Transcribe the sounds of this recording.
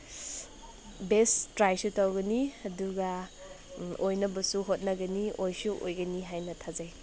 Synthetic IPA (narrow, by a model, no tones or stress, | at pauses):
bestɾajsutawɡɐniɐduɡa | ojnɐbɐsuɦot̚nɐɡɐniojsuʔojɡɐniɦajnɐtʰazaj